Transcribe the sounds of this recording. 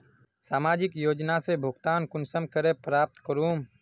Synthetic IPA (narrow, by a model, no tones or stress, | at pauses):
saːmaːd͡ʒɪkjoːd͡ʒnaːseːbʱʊɡt̪aːnkʊnsəmkəɾeːpɾaːp̚t̪kəɾuːm